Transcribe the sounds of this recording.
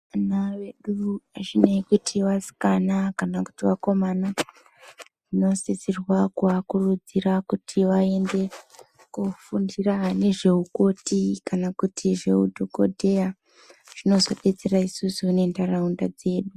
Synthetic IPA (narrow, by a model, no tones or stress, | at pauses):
naʋeɗuaʐinekutʰiʋasi̥kanakanaku̥tiʋako̞mana | ʐ̥ino̞sisirwakakurud͡zirakutʰiʋae̞nde̞ | kufundirane̞ʐe̞uko̞tikanakutʰiʐe̞ṵdʱoko̞dʱe̞ja | ʐ̥ino̞zo̞̰ɓe̞t͡se̞raisusuunendaraundad͡ze̞ːɗu